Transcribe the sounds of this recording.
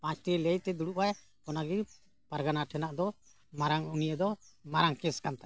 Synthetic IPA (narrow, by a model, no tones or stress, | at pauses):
pãt͡ʃʰt̪ilɛjt̪ɛd̪uɽuʔaj | kɔnaɡi | paɾɡanaʈʰɛnaʔd̪ɔ | maɾaŋunijəd̪ɔmaɾaŋkɛskant̪a